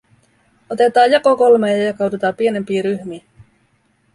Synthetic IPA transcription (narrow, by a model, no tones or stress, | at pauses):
ot̪e̞t̪ɑːjjɑkokolmejɑjɑkɑwdut̪ɑːmpie̞ne̞mpiːɾyçmiː